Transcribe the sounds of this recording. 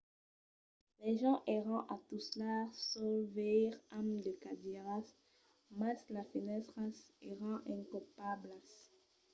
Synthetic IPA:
lɛʒɑ̃ʔeʁɑ̃ʔat̪uslasovɛʁamd̪əkad̪iʁas | maslafinɛt̪ʁaseʁɑ̃ʔɛ̃kɔpablas

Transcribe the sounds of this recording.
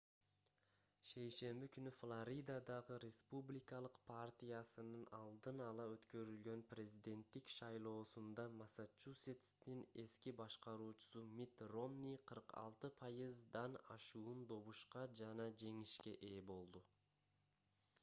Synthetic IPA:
ʃe̞jʃe̞mbikynyflˠaɾʲid̪ad̪ɑʁɯɾʲe̞spublʲɪkɑlˠɯqpʰart̪ʲijasɯnɯnɑlˠd̪ɯnɑlˠɑøt̪kø̞ɾylɡø̞nprʲezʲid̪e̞nt̪ːikʃɑjlˠo̞ːsund̪ɑmasat͡ʃusʲet̪st̪ine̞skibɑʃqɑɾuːt͡ʃu̥sumʲit̪ro̞mnʲiqʰɯɾqɑ̰lˠt̪ɯpʰɑjɯzd̪ɑnɑ̰ʃuːnd̪o̞βuʃqɑd͡ʒɑnɑd͡ʒe̞ŋiʃke̞ʔe̞ːbo̞lˠd̪u

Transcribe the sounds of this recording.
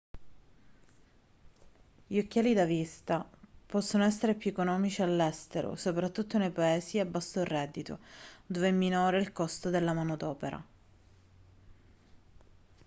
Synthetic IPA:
ʎiokːaːlid̪avist̪apɔsːonoɛsːeɾepekonɔːmit͡ʃialːɛst̪eɾo̰sopɾat̪ːut̪ːonejpaɛːsiabːasːorːɛd̪ːit̪o̰d̪oveɛmːinɔːɾeilkɔst̪od̪elːamaːnod̪ɔːpeɾa̰

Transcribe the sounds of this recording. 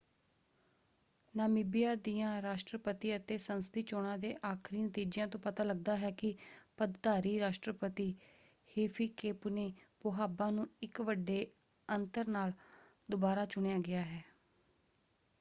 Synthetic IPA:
naːmiːbɪjaːd̪ijãːɾaːʃʈɾəpət̪iːət̪eːsənst̪iːt͡ʃoːɽ̃ãːd̪eːʔaːkʰɾiːnət̪iːd͡ʒjãːt̪õːpət̪aːləɡ̚d̪aːɦɛːkɪpəd̪t̪aːɾiːɾaːʃʈɾəpət̪iː | heːpʰiːkeːpneːpoɦaːbãːnũːɪkʋəɖːeː | ənt̪əɾnaːl | d̪ʊbaːɾaːt͡ʃʊɳejaːɡɪaːɦɛː

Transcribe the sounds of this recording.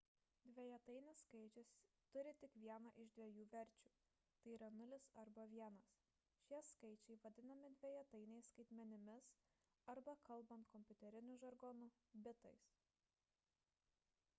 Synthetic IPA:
d̪ʲʋʲɛjɛt̪ɐɪnʲɪsːkɐɪt͡ʃʲɪs | t̪ʊɾʲɪt̪ʲɪkʋʲiɛnɐʔɪʒd̪ʲʋʲɛjuːʋʲɛɾʲt͡ʃʲuː | t̪ɐɪiɾɐnʊlʲɪsɐɾbɐʋʲiɛnɐs | ʃʲiɛskɐɪt͡ʃʲɛɪʋɐd̪ʲɪnɐmʲɪd̪ʲʋʲɛjɛt̪ɐɪnʲɛɪsːkɐɪt̪ʲmʲɛnʲɪmʲɪs | ɐɾbɐkɐlˠˑbɐnt̪kɔmʲpʲʊt̪ʲɛɾʲɪnʲʊʒɐɾɡɔnʊ | bʲɪt̪ɐɪs

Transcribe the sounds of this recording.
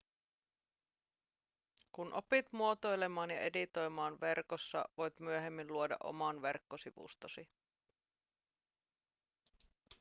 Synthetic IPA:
kunʔo̞pit̪muo̞t̪o̞jle̞mɑːnjɑʔe̞dit̪o̞jmɑːnʋe̞rko̞sːɑ̰ʋo̞jt̪myøɦe̞mːinluodɑ̰ʔo̞̰mɑnʋe̞̰rkːo̞siʋṵst̪osi

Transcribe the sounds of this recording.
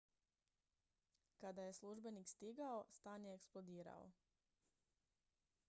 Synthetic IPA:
kad̪ajesluʒbenikst̪iɡaost̪aːnjeːksplod̪iːɾa̰o̰

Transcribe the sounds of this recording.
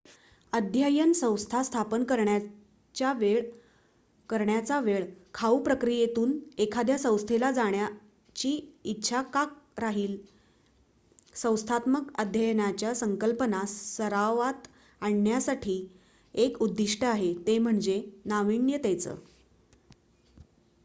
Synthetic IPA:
əd̪ʱjajənsə̃w̃st̪ʰast̪ʰapənkəɾɳja | t͡ɕjaʋeɭ | kəɾɳjat͡saʋeɭkʰaupɾəkɾijet̪uːnekʰad̪jasə̃w̃st̪ʰelad͡zaɳja | t͡ɕiːit̪ːɕʰakak̚ɾaɦiːl | sə̃w̃st̪ʰat̪məkəd̪ʱjəjnat͡ɕjasəŋkəlpənasəɾaʋat̪ | aɳːjasaʈʰiː | ekud̪ːiʂʈəaɦet̪em̤əɳd͡zenaʋiɳjət̪ɛjt͡sə̰ː

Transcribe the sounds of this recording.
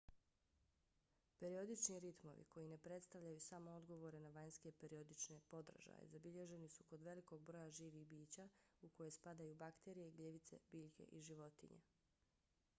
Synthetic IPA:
pe̞ɾio̞d̪it͡ʃniɾit̪mo̞̰ʋḭkʰo̞jine̞pɾe̞t̪st̪aʋʎʲajusamood̪ɡo̞ʋo̞ɾenaʋaɲske̞pe̞ɾiod̪it͡ʃne̞po̞d̪ɾaʒa̰jḛzabiʎe̞ʒe̞nisuko̞d̪ʋe̞liko̞ɡ̚bɾo̞jaʒiːʋixbiːt͡ɕauko̞je̞spad̪ajubakt̪e̞ɾijeɡleʋit̪se̞̰biːʎkʰe̞̰ʔiʒiʋo̞t̪ḭɲḛ

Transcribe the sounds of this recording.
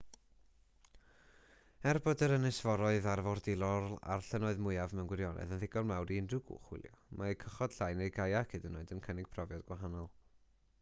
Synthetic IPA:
ɛrbɔdəɾənɨsv̥ɔɾɔɨðarvɔrdɪlˠɔrla̰rɬənɔɨðmʊɨavmɛwnɡwɛɾjɔnʔɛ̰ðənðɪɡɔrmawɾindɨɡʊ̰χwɪ̰lˠjɔmakʰəχɔd̥ɬajnejɡajakʰɪdənoɨdənkʰənɪɡ̥̚pʰrɔvjɔdɡwaɦanɔlˠ

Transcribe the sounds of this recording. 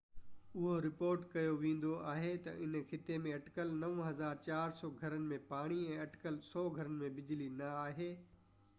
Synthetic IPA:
ʊɦoɾɪpoːɾʈkɐjoʋẽːn̆d̪oʔaːɦet̪ɐ̰ʔɪnkʰɪt̪emẽɐʈkəlnɐʋə̃ɦɐzaːɾt͡ɕaːɾsɔːɡʱɐɾənɪ̆mẽpaːɽ̃iɛ̃ːɐʈɪ̥kəlsɔːɡʱɐɾənɪ̆mẽbɪd͡ʑlinɐaːɦeː

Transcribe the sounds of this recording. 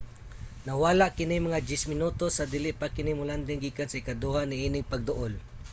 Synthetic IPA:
nawaːlaʔkɪnɪmaŋad͡ʒ̪ɛsmɪnut̪osad̪iːlɪʔpakɪnɪmʊland̪ɪŋɡiːkansaɪkad̪uːhaniʔiːnɪŋpaɡ̚d̪ʊʔol

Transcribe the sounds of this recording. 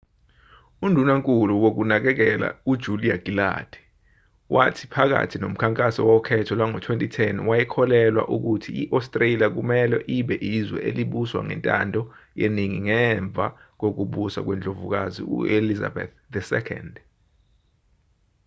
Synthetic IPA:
undʱunaŋkʼuluwok̬unak̬ɛk̬ɛla̰ud̥ʒ̥ʱuliaɡ̥ila̰d̥ʱɛ̥ | watʰi̥pʰak̬a̰tʰinom̩kʰaŋkʼasɔwɔkʰɛtʰɔlwaŋɔtʰwentʼitʰɛnwajɛkʰɔlɛlwa̰ʔuk̬utʰiiʔastʼreliak̬umɛlɛʔiɓɛʔizwɛ̰ʔeliɓuswa̰ŋɛ̰ntʼa̰ndʱɔjeniŋiŋɛɱb̪vʱak̬ok̬uɓusa̰k̬wɛnd͡ɮʱovuk̬azḭṵeliza̰bɛ̰θ | dɛsɛ̰kʰɛ̰nd

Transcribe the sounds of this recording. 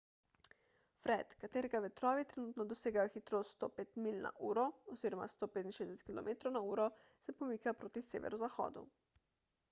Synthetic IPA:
fɾɛt̪kat̪eːɾɛɡaʋɛt̪ɾɔːʋit̪ɾɛnuːt̪nɔd̪ɔseːɡajɔxit̪ɾoːst̪st̪o̰peːt̪milna̰ʔuːɾɔɔziːɾɔma̰st̪oːpeːt̪inʃeːzɛsɛt̪̚kilɔ̰meːt̪ɾownauːɾɔ | sɛpɔmiːkapɾoːt̪isḛːʋɛ̰ɾɔzaxɔ̰ːd̪ṵ

